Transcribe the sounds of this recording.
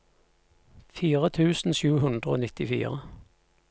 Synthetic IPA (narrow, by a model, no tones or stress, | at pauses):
fiːʁət̪ʰʉːsn̩ʃʉːhʉnd̪ʁəo̰ːnɪt̪ɪfḭːʁə